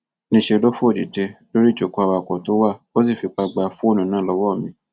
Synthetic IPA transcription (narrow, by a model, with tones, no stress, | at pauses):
nĩ˧˦ʃe˧do˦fũ˦o˦˨di˨te˧lo˦ɾi˦˨d͡ʒo˨ko˧˦a˧wa˧˨kɔ˨to˨˦wa˦˨o˦s̬i˦˨fi˧k͡pa˧ɡ͡ba˧fũ˦o˦˨nũ˨˦nãː˦˨lɔ˧wɔ˦˨mĩ˧˦